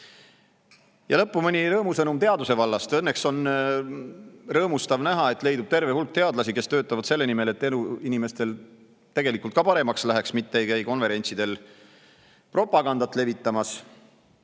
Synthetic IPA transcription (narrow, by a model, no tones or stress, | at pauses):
jɑlɤpːumɤnʲiɾɤːmusɤnumt̪e̞ɑd̪use̞vɑlːɑst̪enːe̞kso̞n | rɤːmust̪ɑvnæɦɑe̞t̪ːˑle̞jd̪ub̥̚t̪e̞rve̞hulk̚t̪e̞ɑd̪̥lɑsike̞st̪øːt̪ːˑɑvɑd̪̥se̞lːe̞nime̞le̞t̪ːenuinime̞st̪e̞l | t̪e̞ɡe̞likːˑult̪̚kɑpɑɾe̞mɑkslæɦe̞ksmit̪ːeejkæjko̞nve̞ɾe̞nʲt̪sid̪̥e̞l | pro̞pːˑɑɡ̥ɑnd̪ɑt̪ːˑle̞vit̪ːˑɑmɑs